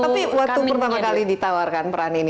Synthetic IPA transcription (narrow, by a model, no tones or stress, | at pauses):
t̪apiwak̚t̪upərt̪amakalidit̪awarkanpəɾanini